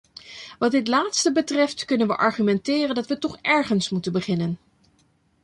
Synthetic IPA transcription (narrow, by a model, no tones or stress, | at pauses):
ʋɑd̚dɪtlaːtstəbətrɛftkɵnənʋəʔɑɹχymɛntɪːrəndɑtʋətɔχɛɹχənsmutənbəχɪnən